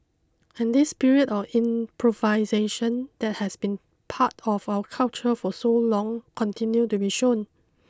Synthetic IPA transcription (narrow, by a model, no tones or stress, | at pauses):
ɛ̃ndispiɹiətɔfĩmpʰɹovaɪzeʃə̃nd̥ɛt̚hɛsbĩn | pʰatʰɔvawəkʰalt͡ʃəfɔsolɔ̃ŋkʰɔ̃ntʰĩnjutubiʃõn